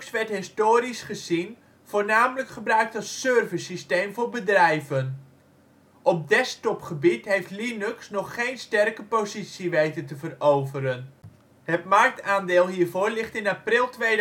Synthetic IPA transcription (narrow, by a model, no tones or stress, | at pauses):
ksʋɛɹtɦɪstoːɾisχəzin | v̥oːrnaːmələkχəbrœɥk̚tɑsːørvəsisteːmvʊːɹbədrɛjvən | ʔɔp̚dɛstɔpχəbitɦejftlinʉksnɔχːejnstɛrkəpozitsiʋejtətəvərowvəɾən | hətmark̚taːndɪːlˠɦiːrvoːɹlɪχtɪnaprɪlˠtʋeː